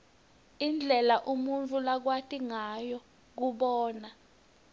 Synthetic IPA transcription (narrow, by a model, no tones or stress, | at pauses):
ind͡ɮʱɛlaʔumunt͡fʰʼulak̬watʼiŋajɔ | k̬uɓɔːna